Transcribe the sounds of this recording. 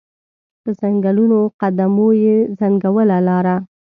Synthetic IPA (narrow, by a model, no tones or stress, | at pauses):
d̪̥əzaŋɡalunoqad̪amojezaŋɡawəlalɑɾa